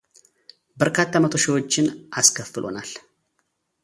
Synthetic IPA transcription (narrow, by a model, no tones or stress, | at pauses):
bəɾkʰat̪ʰːamət̪ʰoʃɪwo̞t͡ʃːɪnʔaskʰəfːɨlʔo̞̰nal